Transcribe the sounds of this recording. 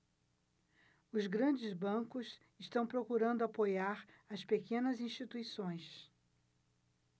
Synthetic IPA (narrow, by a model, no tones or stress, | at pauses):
ʊzɡɾɐ̃d͡ʒɪzbɐ̃kʊs | ɪʃt̪ɐ̃w̃pɾokuɾɐ̃nd̪ʊapojaɾɐspekẽnɐzĩʃt͡ʃit̪uisõj̃s